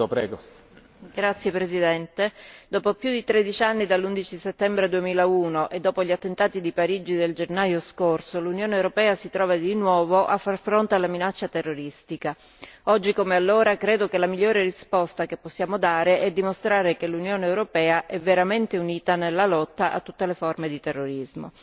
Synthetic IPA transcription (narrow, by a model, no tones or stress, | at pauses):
pɾɛ̰ɡo | ɡɾat̪sːjepɾesid̪ɛnt̪ed̪ɔːpopjud̪it̪ɾed̪it͡ʃanːid̪alːund̪it͡ʃiset̪ːɛmbɾed̪uemiːlauːnoʔed̪ːɔːpoʎːat̪ːent̪aːt̪id̪ipaɾiːd͡ʒid̪eld͡ʒenajoskorsolunjoːneːwɾopɛːasit̪ɾɔːvad̪inwɔːvoʔafːarfɾont̪ealːaminat͡ʃːat̪erːoɾist̪ika | ɔd͡ʒːikomealːoːɾakɾeːd̪okelamiʎːoːɾerispɔst̪akepːosːjaːmod̪aːɾeʔɛd̪ːimost̪ɾaːɾekelunjoːneːwɾopɛːaʔɛvːeɾament̪euniːt̪anelːalɔt̪ːaʔa̰t̪ːu̥t̪ːeleformed̪it̪erːoɾizmo̰